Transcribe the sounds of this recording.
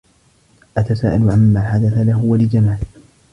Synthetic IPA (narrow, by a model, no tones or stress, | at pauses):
ʔat̪asa̰ːʔalʊʕamːaːħad̪aθalaɦʊwalɪd͡ʒamaːlɪ